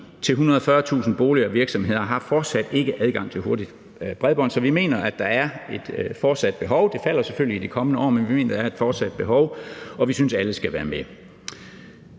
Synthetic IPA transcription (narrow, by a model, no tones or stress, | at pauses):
t͡sʰe̝lɦunɐðˠɒfɶɐt͡sʰṵːsn̩b̥o̝ːliɐʋiɐɡ̥sɒ̽mɦe̝ð̞̰ˠɐɦɑ̈fɒːd̥sæd̥e̝ɡ̥əʔæð̞ˠɡ̥ɑ̈ŋ̰t͡sʰe̝lho̝ɐdid̥ | b̥ʁɛðˠb̥ɒ̽n̰sɒ̽ʋime̝̰ːnɐʔæd̥ɑ̈æɐe̝d̥fɒːd̥sæd̥̚b̥e̝ɦɒ̽ʊd̥e̝fæl̰ɐseføl̰liːd̥ikʰɒ̽mənəɒ̰ːmenʋime̝̰ːnɐd̥æɐe̝d̥fɒːd̥sæd̥̚b̥e̝ɦɒʊɒ̽ʋisynsæləsɡ̥æʋæːɐme